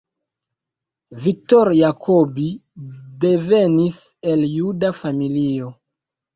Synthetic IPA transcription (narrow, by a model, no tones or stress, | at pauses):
vik̚toɾjakʰobide̞ve̞nise̞ljudafamilio̞